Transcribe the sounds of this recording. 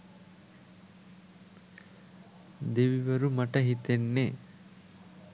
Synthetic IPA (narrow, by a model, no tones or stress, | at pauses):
d̪eʋiʋɐɾumɐʈɐɦit̪enːe